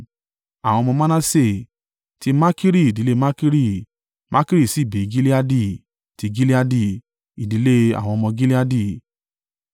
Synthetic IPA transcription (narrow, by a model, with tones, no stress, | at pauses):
a˨w̃ɔ̃˧mɔ̃˧mã˦nã˦se˦˨ | ti˦ma˦ki˦ɾi˦˨di˨˦le˦ma˦ki˦ɾi˦˨ | mʔa˦ki˦ɾi˦˨si˨˦˨be˨ɡi˦li˦a˦di˦˨ | ti˧ɡi˦li˦a˦di˦˨ | i˨di˨˦le˦a̰˨w̃ɔ̃˧mɔ̃˧ɡi˦li˦a˦di˦˨